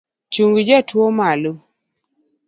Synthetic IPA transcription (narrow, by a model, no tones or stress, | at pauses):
t͡ʃuŋɡd͡ʒatʰwomalo